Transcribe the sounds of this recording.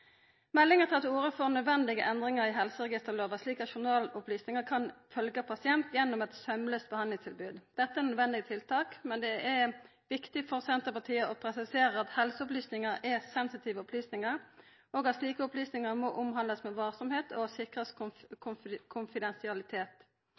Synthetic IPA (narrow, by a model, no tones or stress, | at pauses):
mɛlːɪŋət̪ʰɪlɑt̪uːɾəfɔʁnœd̪ʋɛnd̪ɪɡəʔɛnd̪ʁɪŋəɾɪɦɛlsəʁɛɡɪst̪əʁloːʋəɑsliːkɑt̪ʃʊnɑːlʊplyːsnɪŋəkʰɑnfœlɡəpʰɑsɪɛnt̪jɛnːɔmɛt̪sœmløːst̪̚bəhɑnlɪŋst̪ʰɪlbʉːd̪d̪̥ɛt̪ːəɛɾnœd̪ʋɛnd̪ɪɡət̪ʰɪlt̪ʰɑːkmɛnd̪ɛʔɛ | ʋɪkt̪ɪfɔʁsɛnt̪əpɑʁt̪ʰiːəɔpʰɾɛsɪseːɾəɾɑt̪hɛlsəʊplyːsnɪŋəɾɛsɛnsɪt̪ʰiːʋəɔplyːsnɪŋəʁ | oːɡɑt̪sliːkəɔplyːsnɪŋəʁmɔʔʊmɦɑnd̪əsmɛʋɑːsɔmheːt̪ʰɔsɪkʁəskʰʊkʰʊnfɪd̪ɛnsɪɑlɪt̪ʰeːt̪